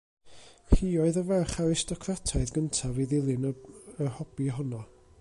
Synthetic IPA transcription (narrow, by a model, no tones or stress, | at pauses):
hiːɔɨðəvɛrχaɾɪstɔkʰratʰaɨðɡəntʰaviðɪlˠɪnəhɔb̥iɦɔnɔ